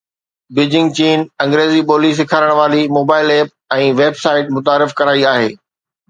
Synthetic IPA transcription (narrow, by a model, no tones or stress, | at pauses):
bɪd͡ʑɪ̃ŋɡ̚t͡ɕiːnɐ̃ŋɡɾeːzipoːlis̬ɪkʰaːɾəɽ̃ʋaːlimoːbaːɪleːp̚ɛ̃ːʋeːbsaːɪʈ̚mʊt̪aːɾɪfkɐɾaːiaːɦeː